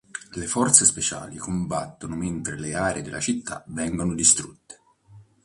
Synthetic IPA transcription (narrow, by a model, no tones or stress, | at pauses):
lefɔrt̪sespet͡ʃa̰ːlikombat̪ːonoment̪ɾeleaːɾʔḛd̪elːʔa̰t͡ʃit̪ʰːa̰vɛŋɡonod̪ist̪ɾut̪ːe̥